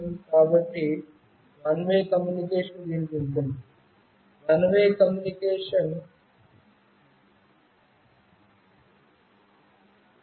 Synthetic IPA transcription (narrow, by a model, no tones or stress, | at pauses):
kaːbɐʈːi | mɐnʋeːkɐmjunikeːʂɐnd̪iːnpunt̪uni | mɐnʋeːkɐmjunikeːʂɐn